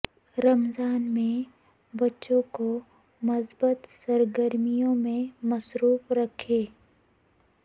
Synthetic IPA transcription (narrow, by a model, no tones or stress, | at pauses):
ɾɐmzaːnmẽ | bɐtːʃõko | məsbət̪səɾɡəɾmijõmẽmɐsɾuːfɾɐkʰeː